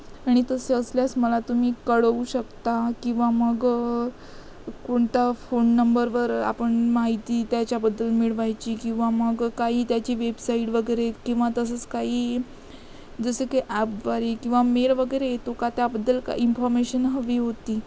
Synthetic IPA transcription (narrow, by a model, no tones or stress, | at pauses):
aɽ̃it̪əseəsljasməlat̪um̤iːkəɽuɕəkt̪akĩw̃ʋaməɡ | koɳt̪afonːəmbəɾʋəɾa̰pəɳmaɦit̪iːt̪jat͡ɕjabəd̪ːəlmiɭʋajt͡ɕiːkĩw̃ʋaməɡkaɦiːt̪jat͡ɕiːʋebsaiɽʋəɡəjɾekĩw̃ʋat̪əsət͡skaɦiː | d͡zəsekeʔæpʋaɾekĩw̃ʋameɾʋəɡəjɾeet̪okat̪jabəd̪ːəlka̰infɔɾmeɕənɦəʋiːɦot̪iː